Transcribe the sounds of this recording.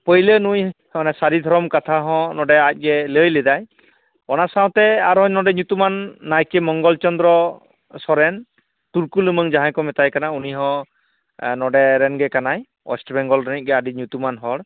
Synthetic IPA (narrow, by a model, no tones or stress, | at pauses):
pəjlenujhɔnɛsaɾid̪ʱɔɾɔmkat̪ʰaɦɔ̃nɔɖɛac̚ˀɡɛləjlɛd̪aj | ɔnasaw̃t̪ɛaɾɦɔɲnɔɖɛɲut̪umanːajkɛmɔŋɡɔlt͡ʃɔnd̪ɾɔ | sɔɾɛn | t̪uɾkulɯməŋd͡ʒaɦãkɔmɛt̪ajkanauniɦɔ̃ | nɔɖɛɾɛnɡɛkanaj | ɔ̰sʈbɛŋɡɔlɾanit̚ɡɛaɖiɲut̪umanɦɔɽ